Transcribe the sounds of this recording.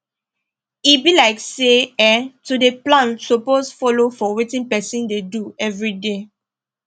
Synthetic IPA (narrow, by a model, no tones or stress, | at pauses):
ibilaɪkseɛtudeplãnsoposfɔlofɔwetĩnpɛsĩndeduɛvɹide